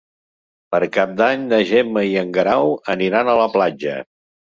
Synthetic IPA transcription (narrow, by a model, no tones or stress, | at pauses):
pəɾkap̚d̪aɲd̪əʒeməiəŋɡɾawəniɾanələplad͡ʒə̰